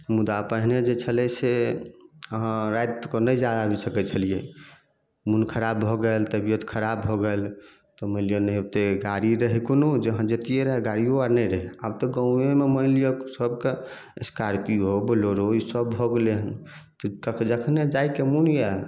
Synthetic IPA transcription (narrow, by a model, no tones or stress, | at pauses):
mud̪apəɦined͡ʒet͡ʃʰəlɛse | əɦãɾajt̪kɔnəjd͡ʒjad̪abʱisəkɛt͡ʃʰəlije | munkʰəɾabːʱɔɡəlt̪əbijət̪kʰəɾabʱɔɡəl | t̪ɔməɪlijonəɦot̪eɡaɾiɾəɦikonod͡ʒeɦãd͡ʒət̪ijeɾəɦɛɡaɾioaɾnəjɾəɦɛabt̪ɔɡə̃w̃ememəɪlijoksəbke | eskaɾpiɦobəloɾoisəbbʱɔɡeleɦən | t̪ɔkəkʰd͡ʒəkʰned͡ʒajkemunja